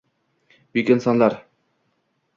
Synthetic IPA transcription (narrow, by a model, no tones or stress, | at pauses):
bikɪnsɑnlˠɑɾ